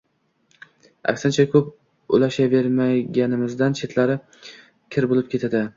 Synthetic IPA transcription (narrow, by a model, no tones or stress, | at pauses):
a̰kʲsɪnt͡ʃʰakʰɵp | ʊ̰laʃave̞ɾmaɡʲanɪmɪzd̪ant͡ʃʰe̞t̪ʰlaɾɪ | kʲʰɪɾbolɪp̚kʲʰe̞t̪ʰad̪ɪ